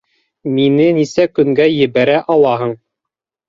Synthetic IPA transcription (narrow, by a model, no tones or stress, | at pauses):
minɘnisækɵ̆ŋɡæjɘ̆βæɾæʔɑlˠɑɦɤɴ